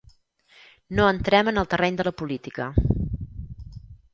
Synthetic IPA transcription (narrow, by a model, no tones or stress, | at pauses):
noənt̪ɾɛmənəlˠt̪ərɛɲd̪ələpulit̪ikə